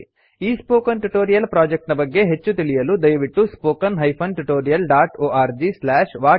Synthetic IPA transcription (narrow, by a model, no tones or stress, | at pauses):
iːspoːkɐnʈuʈoːɾijɐlpɾaːd͡ʒek̚ʈnɐbɐɡːe̞ɦet͡ʃːut̪iɭijɐlud̪ɐjɐʋiʈːuspoːkɐnɦɐjpʰɐnʈuʈoːɾijɐlɖaːʈoːʔaːɾd͡ʒislaːʃʋaː